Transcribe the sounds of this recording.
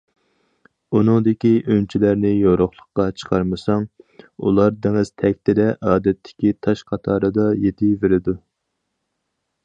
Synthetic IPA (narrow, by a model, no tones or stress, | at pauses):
unɨŋd̪ɪkʲiʔønt͡ʃʰilæɾnɪjoɾoχlˠəqːɑt͡ʃʰə̥qʰɑɾmɨsɑŋṵlˠɑɾd̪eŋɪz̥t̪ʰɛkʲt̪ʰɪd̪ɛʔɑːd̪ɛt̪ʰːɪ̥kʲit̪ʰɑʃqʰɑt̪ʰɑːɾɨd̪ɑjet̪ʰɪveɾɪd̪u